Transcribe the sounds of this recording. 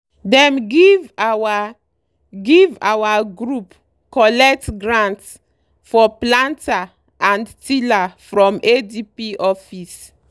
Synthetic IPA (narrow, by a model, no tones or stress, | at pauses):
dɛ̃mɡivawa | ɡivawaɡɹup | kɔlɛk̚tɡɹãnts | fɔplãnta | ãndtilafɹɔ̃medipiʔɔfis